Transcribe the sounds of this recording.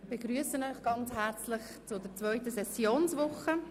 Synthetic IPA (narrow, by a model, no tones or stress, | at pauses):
bɪːɡɾyəsənœʏχɡ̥ɑnt͡shæɾt͡slɪχ | t͡sʊdəɾt͡svœʏt̪əsɛsjoːnsʋʊχə